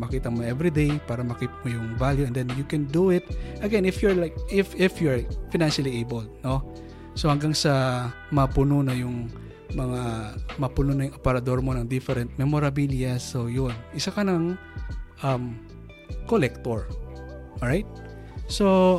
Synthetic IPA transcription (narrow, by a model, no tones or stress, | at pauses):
mɐkiːt̪ɐmonʔɛvɾid̪ejpaːɾɐmɐkipmojʊŋvaljuɛ̃nd̪ɛnjukɛ̃nd̪uɪt̪̚ʔɐɡɛnɪfjuɹlajk̚ʔɪfɪfjuɹfɪnãnʃɐliejbold̪̚no | sohɐŋɡaŋsɐ | mɐpʊnonɐjʊŋ | mɐŋamɐpʊnonɐjʊŋʔopɛɾɐd̪o̞ɹmonɐŋd̪ɪfɛɾɛnt̪̚mɛmoɾɐbiljɐsojonʔɪsakɐnɐŋ | ʔɐm | kolɛk̚t̪oɹ | oɹajt̪̚ | so